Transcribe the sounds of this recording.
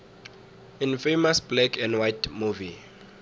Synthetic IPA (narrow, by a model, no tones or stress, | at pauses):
ĩnfejmasblɛkʰɛ̃ndwajtmuvi